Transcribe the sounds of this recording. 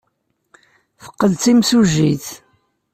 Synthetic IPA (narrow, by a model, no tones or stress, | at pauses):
θə̥qːəlt͡s̪imsuʒiθ